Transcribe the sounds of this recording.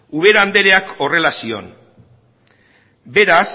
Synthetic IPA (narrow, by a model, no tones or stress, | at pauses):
uβ̞e̞ɾand̪e̞ɾe̞ako̞re̞lasio̞̰n | be̞ɾas